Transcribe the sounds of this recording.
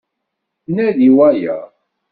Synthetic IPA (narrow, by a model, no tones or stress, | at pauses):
næðiwæjæ̰